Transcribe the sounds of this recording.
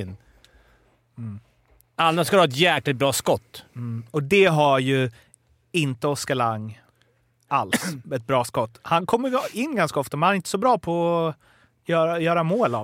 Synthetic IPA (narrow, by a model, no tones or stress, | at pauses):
nː | anːaʂkaɾhːɛt̪̬jæːklɪt̪̚bɾɑːskɔt̪ːɔd̪ɛɦaɾjɵ | ɪnt̪əɔskalaŋː | alsɛt̪̚bɾɑːskɔt̪ːhankʰɔmːəɪnːɡanskaɔft̪amɛnaɾɪnt̪ə̥sɔbɾɑːpʰɔɔ | jœːɾajœːɾamoːlav